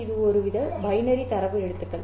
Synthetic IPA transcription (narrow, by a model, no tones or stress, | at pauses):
ɪðɯɔɾɯʋɪðɐbɐjnɐɾit̪ɐɾɐpːɯɛɽɯt̪ːɯkːɐɭ